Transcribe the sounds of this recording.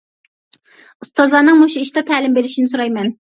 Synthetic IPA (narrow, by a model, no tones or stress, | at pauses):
ust̪ɑzlˠɑnɨŋmoʃuiʃd̪ɛt̪ʰæːlɪmbeɾɪʃinɪsuɾɑjmɛn